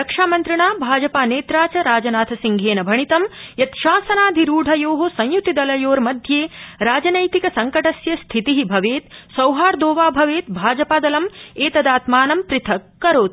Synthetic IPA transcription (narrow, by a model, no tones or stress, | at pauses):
ɾɐkʂaːmɐnt̪ɾɐɳaːbʱaːd͡ʒɐpaːneːt̪ɾaːt͡ʃɐɾaːd͡ʒɐnaːt̪ʰɐsiŋɡʱeːnɐbʱɐɳit̪ɐmjɐt̪ʃaːsɐnaːd̪ʱiɾuːɖʱɐjoːɦosɐ̃j̃jut̪id̪ɐlɐjoːɾmɐd̪ʱjeːɾaːd͡ʒɐnɐjt̪ikɐsɐŋkɐʈɐsjɐst̪ʰit̪iɦibʱɐʋeːt̪sɐwɦaːɾd̪oːʋaːbʱɐʋeːt̪̚bʱaːd͡ʒɐpaːd̪ɐlɐmeːt̪ɐd̪aːt̪maːnɐmpɾɪt̪ʰɐkːɐɾoːt̪